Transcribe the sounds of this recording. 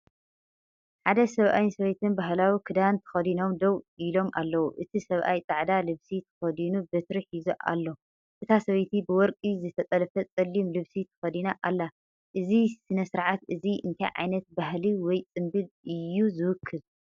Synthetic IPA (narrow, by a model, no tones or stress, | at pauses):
ħad̪ɐsɐβʔa̰jnsɐβɐjt̪ʰɨnbaɦlawikʰɨd̪ant̪ʰɐ̥xɐd̪ino̞md̪owilo̞mʔa̰lːɐwuʔɨt̪ʰisɐβʔa̰jt̪ʼaʕd̪alɨβsit̪ʰɐ̥xɐd̪inubɨt̪ɾɨħizuʔa̰lːo̞ | ʔɨt̪ʰasɐβɐjt̪ʰibɨwɔɾkʼizɨt̪ʰɐt̪ʼɐlɐfɐt͡sʼɐlːimlɨβsit̪ʰɐ̥xɐd̪inaʔalːa | ʔɨzisɨnɐsɨɾʕat̪ɨziɨ̰nt̪ʰajʕa̰jnɐt̪̚baɦliwɔjt͡sʼɨmbɨlɨjːuzɨwʊkʰːɨl